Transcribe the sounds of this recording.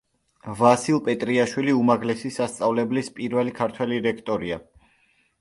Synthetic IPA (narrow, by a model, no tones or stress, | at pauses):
vasilˠpʼɛt̪ʼɾiaʃwiliumaɡlɛsisast̪sʼavlɛblispʼiɾvɛlikʰaɾt̪ʰwɛliɾɛkʰt̪ʼɔɾia